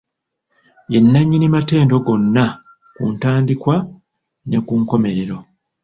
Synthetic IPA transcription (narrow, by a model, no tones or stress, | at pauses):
je̞nːaɲːinimate̞ːndo̞ɡo̞nːa | kṵːntaːndikwa | ne̞kuŋko̞me̞ɾe̞ɾo̞